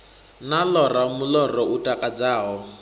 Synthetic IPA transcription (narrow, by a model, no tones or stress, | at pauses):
nalɔramulɔrɔutʼakʼad͡zaːɦɔ